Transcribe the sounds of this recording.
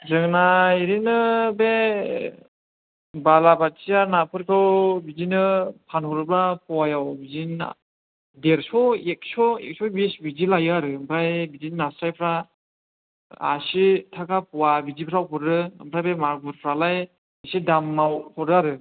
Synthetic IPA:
zɯŋnaiɾinɯbe | balabatsijaɾnapʰɯɾkʰɯwbizinɯpʰanʰɔɾɯplapɔwajawbizin̰ | deɾsɔek̚sɔḛk̚sɔbisbizilajɯaɾɯbajbizinnasɾajpʰɾa | a̰sitʰakapuwabizipʰɯɾawpʰɔɾɯɯ̰mpʰɾabemaɾbuɾpʰɾalaj | bisidamːawpʰɔɾɯaɾɯ

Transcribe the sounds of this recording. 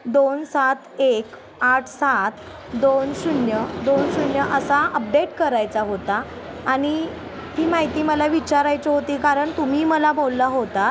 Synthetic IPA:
d̪onsat̪ʰek | aʈʰsat̪ʰ | d̪onsunjəd̪onsunjəʔəsaʔəp̚ɖeʈkəɾajt͡saɦot̪aː | ɽ̃i | hiːmaɦit̪iːməlaʋit͡ɕaɾajt͡ɕeɦot̪iːkaɾəɳt̪um̤iːməlabolːaɦot̪a

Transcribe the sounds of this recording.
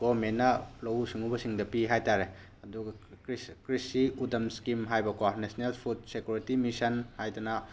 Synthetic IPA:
ɡomenːɐlɐwsiŋubɐsiŋdɐpiɦajtaɾe | ɐduɡɐɾiskɾisiudɐmskimɦajbɐkapnesnelpʰud̚sekjuɾitimisɐnhajdɐnɐ

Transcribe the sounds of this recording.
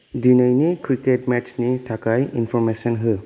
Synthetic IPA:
dinəjnikɾiketmett͡ʃnitʰakajinpʰɔɾmesənɦɯ

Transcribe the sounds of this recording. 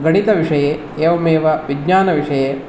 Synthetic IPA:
ɡɐɽit̪ɐʋiʂɐjeː | eːʋɐmeːʋɐʋiɡɲaːnɐʋiʂɐjeː

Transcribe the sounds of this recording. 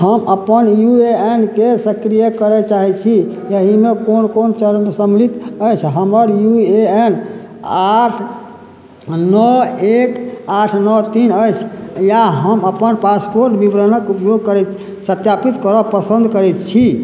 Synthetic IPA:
ɦəməpənjueenkesəkɾijəkəɾɛt͡ʃaɦɛt͡ʃʰi | jəɦimekonkont͡ʃəɾnsəmlit̪əjt͡ʃʰɦəməɾjueen | aʈʰ | nɔekaʈʰnɔt̪inəjt͡ʃʰjaɦəməpənpaspoɾʈbibɾənəkupjoɡ̚kəɾɛ | sət̪japit̪kəɾɔpəsə̃nd̪ʱkəɾɛt̪t͡ʃʰi

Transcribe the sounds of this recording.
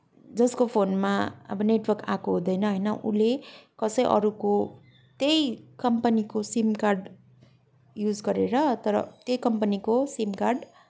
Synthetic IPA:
d͡zʌskopʰonmaʌ̰bʌneʈwʌrkakoɦũd̪ʌjnʌɦʌjnʌʔṵlekʌsʌjʔʌ̰ɾuko | t̪ejkʌmpʌnikosimkarɖ | jud͡zɡʌɾeɾʌt̪ʌɾʌ̰t̪jejkʌmpʌnikosimkarɖ

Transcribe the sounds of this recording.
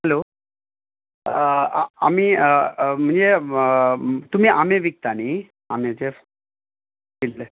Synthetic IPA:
hɛlo | a̰miːəm̤əɳd͡ze | t̪um̤iːʔameʋik̚t̪ani | amet͡se | killə

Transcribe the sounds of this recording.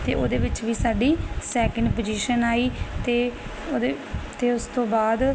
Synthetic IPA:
t̪ḛːʔo̰ːd̪eːʋɪt͡ʃʋiːsaːɖiːsɛːkəɳɖpoːd͡ʒiːʃənaːiːt̪eː | t̪eːʊst̪õːbaːd̪

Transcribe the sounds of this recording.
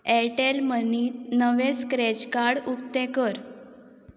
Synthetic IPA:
ɛʈelməniːt̪nəʋeskɾed͡ʑkaɽuk̚t̪ekəɾ

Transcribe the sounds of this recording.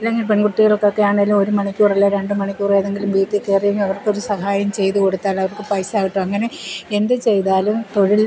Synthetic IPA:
ilːeŋɡilpeɳɡuʈːiɣɐɭokːokːejaːɳelumoɾumɐɳikʲːuːrilːɐɾeɳɖɨmɐɳikʲːuːrejɐðe̞ŋɡilumʋiːʈːɨkeːrɐjɐmɐʋɐrko̞ɾusɐhaːjɐmt͡ɕe̞jt̪uko̞ɽut̪ːaːlɐʋɐrkɨpɐjsaːɣiʈːumɐŋːɐne̞end̪ɨt͡ɕe̞jt̪aːlumt̪o̞ɻil

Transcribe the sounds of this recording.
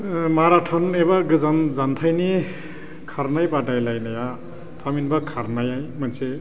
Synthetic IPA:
maɾaʈʰɔnebaɡɯzanzant̪ʰajni | kʰaɾnajpaʈajlajnaja | pʰaminbakʰaɾnajajmanse

